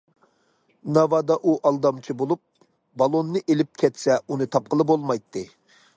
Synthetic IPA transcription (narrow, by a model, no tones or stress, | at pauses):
nɑvɑd̪ɑʔuʔɑlˠd̪ɑmt͡ʃʰibolˠup̚ | bɑlˠonːɨʔelɪp̚kʲʰɛt̪sɛunɨt̪ʰɑp̚qəlˠɨbolˠmɑjt̪ʰːɨ